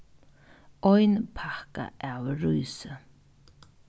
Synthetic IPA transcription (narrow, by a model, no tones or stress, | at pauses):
ɔjnpʰahka̰ʔawɾujsə